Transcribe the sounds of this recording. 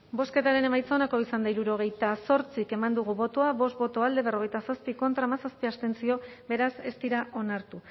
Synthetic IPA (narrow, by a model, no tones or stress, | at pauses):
bo̞ske̞t̪aɾe̞ne̞majt͡saonako̞isand̪aiɾuɾo̞ɣ̞e̞jt̪aso̞ɾt͡sike̞mand̪uɣ̞uβo̞t̪oaβo̞st̪̚bo̞t̪o̞ald̪e̞βe̞ro̞ɣe̞jt̪asaspiko̞nt̪ɾaːmasaspiast̪e̞nt͡sio̞βe̞ɾase̞st̪iɾaʔo̞naɾt̪u